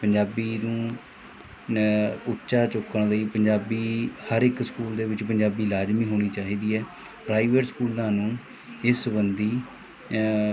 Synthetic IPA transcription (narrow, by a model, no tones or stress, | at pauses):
pəɲd͡ʒaːbiːnũː | ʊtːʃaːt͡ʃʊkəɳləiːpəɲd͡ʒaːbiːhəɾɪkskuːld̪eːʋɪt͡ʃpəɲd͡ʒaːbiːlaːd͡ʒmiːɦoːɽ̃iːt͡ʃaːɦiːd̪iːɛː | pɾaːiʋeːʈskuːlnãːnũː | ɪsbənd̪iː